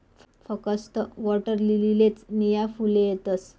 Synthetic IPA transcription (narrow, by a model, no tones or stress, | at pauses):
f | fəkəst̪əʋɔʈəɾlililet͡snijafulejet̪əs